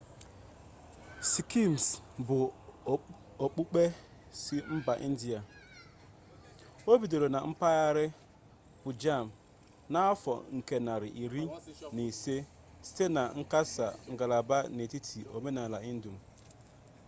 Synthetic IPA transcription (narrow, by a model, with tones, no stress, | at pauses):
si˨ki˦˨m˨sbʊ˨ | o˨k͡pu˦k͡pe˦ | si˦m̩˦ba˨ʔḭ˦n̩˦di˨a˨ | o˦bi˨do˨ɾo˨na˨m̩˦pa˦ɣa˦ɾɪ˦ | pʊ˨d͡ʒa˦˨m˨ | na˦ɔ˦fɔ̰˨ŋ̩˨ke˦na˨ɾɪ̰˨ʔi˨ɾi˦ni˨se˦ | si̥˦te˦na˨ŋ̩˦ka˦sa̰˨ŋ̩˨ɡa˨la˨ba˦ne˨ti˦tʰi˨o̰˨me˦na˨la˨i˦n̩˦du˨m̩˨